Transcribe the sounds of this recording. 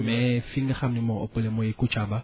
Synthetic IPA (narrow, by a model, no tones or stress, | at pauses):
mɛfiŋɡaχam̩nɪmɔɔ̰pʊlɛmɔjekʼʊt͡ʃʰaba